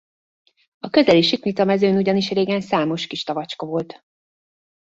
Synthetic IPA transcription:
ɒkø̞zɛliʃik̪nit̪ɒmɛzøːnuɟɒniʃreːɡɛnsaːmo̞ʃkiʃt̪ɒvɒt͡ʃkɒvo̞lt̪

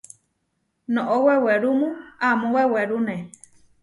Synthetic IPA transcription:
nõʔoweweɾumũamũweweɾunẽ

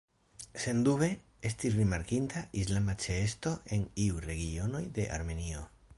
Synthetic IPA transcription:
se̞nduβe̞ | e̞stisɾimaɾkintʰaʔislamat͡ʃe̞esto̞e̞niuɾe̞ɡio̞no̞jde̞ʔa̰ɾme̞nio̞

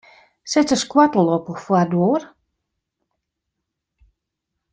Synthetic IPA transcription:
sɛtəskwatəlˠɔpəfwadoːr

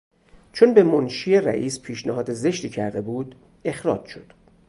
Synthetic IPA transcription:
t͡ʃʰonbemonʃiːjeræ̰ʔiːspʰiːʃnæhɒːd̪eze̞ʃt̪iːcʰæɾd̪e̞buːd̪̥ | e̞xɾɒ̰ːd͡ʒʃo̞d̪̥

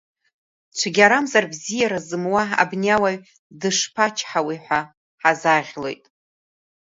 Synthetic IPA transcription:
t͡ʃʷʰaɡʲaɾamzarbzijaɾazɨmwaa̰bnʲawaɥ | dɨʂpʰat͡ʃʰħawiħʷa | ħazaʁʲle̞̰jtʼ

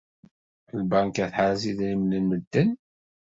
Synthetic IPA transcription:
lbæŋkæθħaɾziðnimnənməd̪ːən

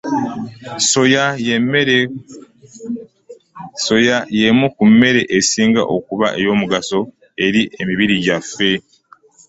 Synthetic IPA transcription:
sojajemeɾe | so̞jajemukumːe̞ɾe̞ʔesiːŋɡa̰ʔo̞kuβa̰ʔe̞jo̞ːmuɡaso̞ | e̞ɾiʔe̞miβiɾiɟafːe̞

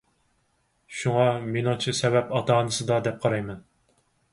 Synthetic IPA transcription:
ʃuŋɑmenɨŋt͡ʃʰɨsɛbɛpɑt̪ɑːnɨsɨd̪ɑd̪ɛp̚qʰɑɾɑjmɛn

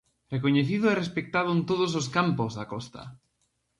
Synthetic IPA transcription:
rekoɲeθiðʊɛrespek̚t̪aðʊẽnt̪oð̞os̬os̬kampozðakɔst̪ɐ̰

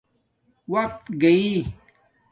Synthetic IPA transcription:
wɐq̚t̪ɡɐi

